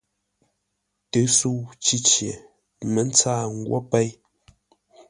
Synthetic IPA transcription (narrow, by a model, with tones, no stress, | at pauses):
tə˨˦su˦˨wt͡ʃi˦t͡ʃje˨ | mə˨˦n̩˦t͡saː˦˨ŋ˦ɡwo̰˦pɛ˦j